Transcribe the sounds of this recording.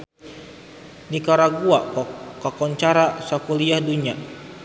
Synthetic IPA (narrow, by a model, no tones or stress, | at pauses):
nikaɾaɡuakakɔɲt͡ʃaɾasakuliahduɲa